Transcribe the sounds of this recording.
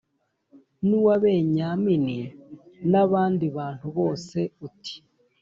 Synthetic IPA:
nuwaβe̞ːɲaːmininaβaːndiβaːntuβo̞ːse̞uti̥

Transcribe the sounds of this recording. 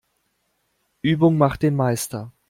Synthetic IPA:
ʔyːbʊŋmaχt̚d̥eːnmaɪstɐ

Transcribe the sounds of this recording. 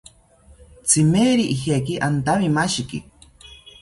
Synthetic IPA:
t͡sʰimeːɾiʔihek̬iʔant̪amimaʃikḭ

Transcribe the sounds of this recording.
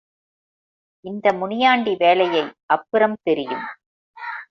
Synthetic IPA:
ʔɪnd̪ɐmʊɳɪjaːɳɖiʋeːlɐjɐɪʔɐpːɯɾɐmt̪ɛɾɪjɯ̰m

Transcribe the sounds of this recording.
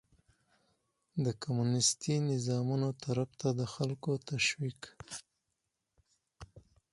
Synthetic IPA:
d̪əkomunɪst̪inɪzɑmunot̪ʰaɾabt̪ad̪əxalkot̪aʃwik

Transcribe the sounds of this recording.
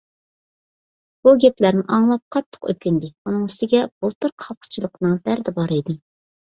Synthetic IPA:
b̥uɡʲɛplæɾmɪʔɑŋlˠɑp̚qʰɑt̪ʰːə̥qø̰p̚ʲkʲynd̪ɪunɨŋyst̪ɪɡʲɛb̥olˠt̪ɨɾqʰɑpqʰə̥t͡ʃʰilˠəqnɨŋd̪æɾd̪ɛbɑɾɨjd̪ɨ

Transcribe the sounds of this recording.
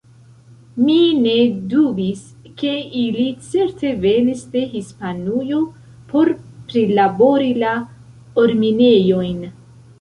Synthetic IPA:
mine̞dubis | ke̞ilit͡se̞ɾtʰe̞ve̞nisde̞ɦispanujo̞ | pʰo̞ɾpɾilabo̞ɾila | oɾmine̞jo̞jn

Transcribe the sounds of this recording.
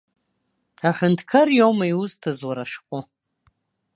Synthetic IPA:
aħʷᶣʊntʰkʰarjowmajuztʰazwaɾaʂqʷʼʊ

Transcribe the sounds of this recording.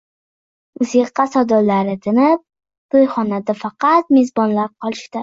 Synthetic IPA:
ʊzeqːɑsɒd̪ɒllaɾɪt̪ʰɪnɪp̚ | t̪ojχɒnad̪afɑqɑt̪̚mezbɒnlaɾqʰɒlˠɪʃt̪ɪ

